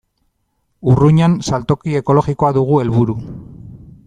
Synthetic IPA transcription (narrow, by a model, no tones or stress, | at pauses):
uruɲansalt̪o̞kie̞ko̞lo̞ɣiko̞aðuɣ̞ue̞lβuɾu